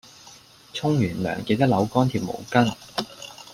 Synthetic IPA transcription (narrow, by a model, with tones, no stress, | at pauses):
t͡sʰʊ˥ŋjyː˨˩nlœ̰ː˨˩ŋke˧t̪ɐ˥k̚lɐ˨˧wkɔː˥nt̪ʰiː˨˩w̚mo̰˨˩wkɐ˥n